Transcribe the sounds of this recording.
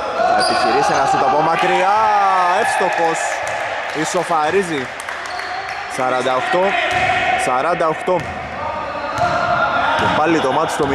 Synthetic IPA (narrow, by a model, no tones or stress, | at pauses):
ɐepiciɾisenɐsut̪opomɐkɾiaefst̪oxos | isofɐɾizi | sɐɾɐnd̪ɐoxt̪o | sɐɾɐnd̪ɐoxt̪o | kebɐlːit̪omɐt̪o̥st̪omi